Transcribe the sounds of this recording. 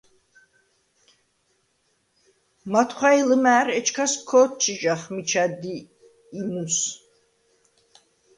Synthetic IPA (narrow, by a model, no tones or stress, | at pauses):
mat̪ʰχʷailɨmæːɾɛt͡ʃʰkʰaskʰɔt̪̚t͡ʃʰiʒaχmit͡ʃʰad̪iː | nus